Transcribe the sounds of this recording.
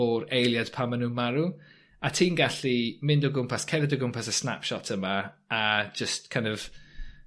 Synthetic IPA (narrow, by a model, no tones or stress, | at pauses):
ɔɾejlˠjad̥pʰamːanuːnmaɾu | atʰiːnɡaɬimɪndɔɡʊmpʰaskʰɛnɛdɔɡʊmpʰasəsna̰pʃɔtʰəma | ad͡ʒəstkʰãɪjndɔv̥